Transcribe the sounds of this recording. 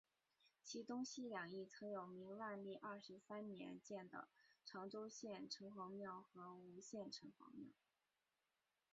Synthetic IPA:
t͡ɕʰi˧˥t̪ʊ˥ŋɕi˥ljɑ˨˩ŋi˥˩t͡sʰɤ˧˥ŋjo˨˩ʊmi˧˥ŋwa˥˧nli˥˧ʔɐ˥˩ʂɻ̩˧˥sa˥nnjɛ̰˧˥nt͡ɕjɛ˥˩nd̪ə̰˩ʈ͡ʂʰɑ˧˥ŋʈ͡ʂo˥ʊɕjɛ˥˩nʈ͡ʂʰɤ˧˥ŋxɑ˧˥ŋmjɑ˥˩ʊxɤ˧˥u˧˥ɕjɛ˥˩nʈ͡ʂʰɤ˧˥ŋxɑ̰˧˥ŋmjɑ̰˥˩ʊ

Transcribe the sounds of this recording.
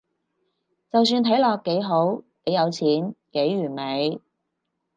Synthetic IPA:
t͡sɐ˨ws̬yː˧nt̪ʰɐ˨˥jlɔː˨˧kːe˨˥jɦo˨˥wne˨˧jɐ˨˧wt͡sʰiː˨˥nke˨˥jːyː˨˩nme˨˧j

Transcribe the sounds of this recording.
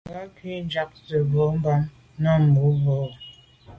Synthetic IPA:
ɡa˦ki˦d͡ʒa˦k̚sə˨bɔ˨˦m̩˦ba˦m | na˦m̩˨bu˨˦bɔ˦˨

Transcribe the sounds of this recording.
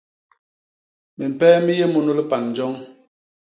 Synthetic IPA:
mi˨m̩˨pɛː˦mi˦je˦mu˦nu˦li˦pa˨nː˨d͡ʒɔ˦ŋ

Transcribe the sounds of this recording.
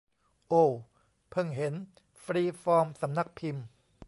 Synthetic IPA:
ʔoː˧˩ | pʰɤ˥˩ŋɦe˩˦n | fɾiː˧fɔː˧msa˩˦mna˦˥k̚pʰi˧m

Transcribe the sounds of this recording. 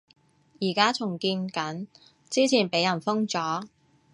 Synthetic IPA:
jiː˨˩kaː˥t͡sʰʊ˨˩ŋkiː˧nkɐ˨˥n | t͡siː˥t͡sʰiː˨˩npe˨˥jɐ˨˩nfʊ˥ŋt͡sɔː˨˥

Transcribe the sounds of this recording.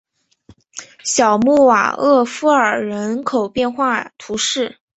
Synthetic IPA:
ɕjɑ˨˩ʊmu˥˩wa̰˨˩ɤ˥˩fu˥ə˞˨˩ɻə˧˥nkʰo˨˩ʊpjɛ˥˧nxwa˥˩t̪ʰu˧˥ʂɻ̩˥˩

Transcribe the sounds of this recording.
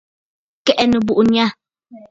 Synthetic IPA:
kɛ˦ʔɛ˨nə˨bu˨ʔu˨n˦a˦

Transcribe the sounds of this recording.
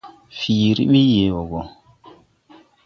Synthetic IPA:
fi˨ɾḭ˦ɓi˦je˨wo˨ɡɔ˨

